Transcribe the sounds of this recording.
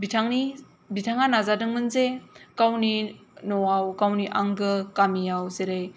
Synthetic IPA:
bitʰaŋni | bitʰaŋanazadɯŋmɯnzekawninɔwawkawniʔaŋɡɯkamijawzeɾɯj

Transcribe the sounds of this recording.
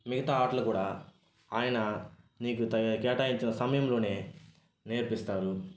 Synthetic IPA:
miɡɐt̪aːaːʈlɐkuːɽaː | aːjɐnɐ | niːkut̪ɐkɛːʈaːjiɲt͡ʃinɐsɐmɐjɐmlo̞ːne̞ː | neːɾpist̪aːɾu

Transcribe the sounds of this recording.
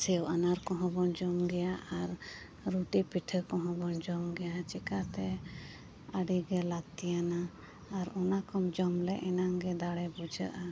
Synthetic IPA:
sɛwʔanaɾkɔ̃ɦɔ̃bɔnd͡ʒɔmɡɛjaʔaɾ | ɾuʈipiʈʰəkɔ̃ɦɔ̃bɔnd͡ʒɔmɡɛjat͡ʃɛkat̪ɛ | əɖiɡɛlat̪ijanaː | ɾɔnakɔmd͡ʒɔmlɛʔɛnaŋɡɛd̪aɽɛbud͡ʒəʔa

